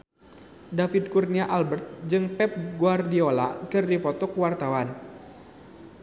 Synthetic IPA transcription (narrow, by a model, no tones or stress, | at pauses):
dafid̚kurniaʔalbərt̪̚d͡ʒɨŋpɛp̚ɡuardiola̰kɨrdipɔt̪ɔkwart̪awan